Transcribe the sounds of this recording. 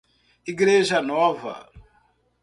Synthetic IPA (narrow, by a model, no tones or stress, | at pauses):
iɡiɾeʒanɔava̰